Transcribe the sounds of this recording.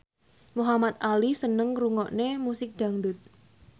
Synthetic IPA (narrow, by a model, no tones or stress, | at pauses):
muɦamat̪̚alisənəŋɾuŋɔʔnemusɪk̚d̪̥a̤ŋdʊt̪̚